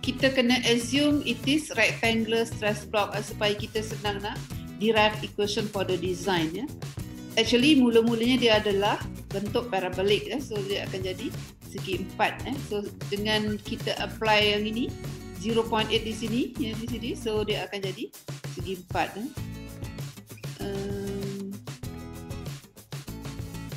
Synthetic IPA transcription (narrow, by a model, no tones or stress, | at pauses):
kit̪akənaʔəsjumit̪ɪsɾak̚t̪ɛŋɡləst̪ɾɛsblɔk̚əsupajakit̪asənãŋnaʔdiɾajfikwesɔnfɔdədizãjnə | ɛk̚t͡ʃuəlimuləmuləɲadiəːdalahbənt̪ʊʔ̚paɾabalɪk̚asodiaa̰kand͡ʒadi | səɡimpat̪̚asodəŋãnkit̪aʔəplajaŋiniziɾopɔjinet̪̚disinijadis̬inisodiaakand͡ʒadi | səɡiəmpa̰t̪̚a | ʔəm